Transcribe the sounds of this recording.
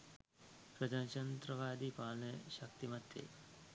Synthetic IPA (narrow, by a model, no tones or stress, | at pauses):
pɾɐd̪aːnt͡ʃɐnt̪ɾɐʋaːd̪ipaːlnəʃɐk̚t̪imɐt̪jḛ